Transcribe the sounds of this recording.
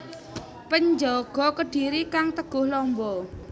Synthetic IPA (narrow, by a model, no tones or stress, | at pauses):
pəɲd͡ʒɔɡ̥ɔ̤kəɖ̥iɾikaŋt̪əɡ̥ʊhlɔmbɔ